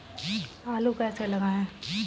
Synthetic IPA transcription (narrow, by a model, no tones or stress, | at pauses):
aːlukɛːselɐɡaːɦɛ̃